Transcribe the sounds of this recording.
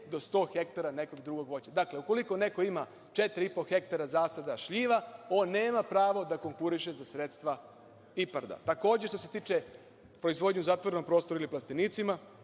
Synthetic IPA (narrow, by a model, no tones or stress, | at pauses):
d̪o̞st̪o̞ːxe̞kt̪aɾane̞koɡd̪ɾuɡo̞ɡʋo̞t͡ɕad̪akle̞uko̞liko̞ne̞ko̞ima | t͡ʃet̪ɾiipo̞xe̞k̚t̪aɾazaːsad̪aʃʎiːʋao̞ːnːeːmapɾaːʋo̞d̪ako̞ŋkuɾiʃezasɾet̪st̪ʋa | ipaɾd̪a̰t̪ako̞ːd͡ʑeʃt̪oʃse̞̥t̪iːt͡ʃe | pɾo̞izʋo̞d̪ɲuzat̪ʋoɾeno̞m̚pɾo̞ːst̪oɾuiliplˠast̪iniːt̪sima